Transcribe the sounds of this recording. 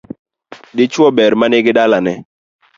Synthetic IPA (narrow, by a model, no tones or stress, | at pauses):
dɪt͡ʃwɔbɛɾmanɪɡɪdalanɛ